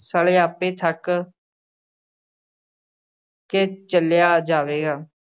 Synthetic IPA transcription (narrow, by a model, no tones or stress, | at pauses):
saːleːaːpeːt̪ʰək | ket͡ʃəljaːd͡ʒaːʋeːɡaː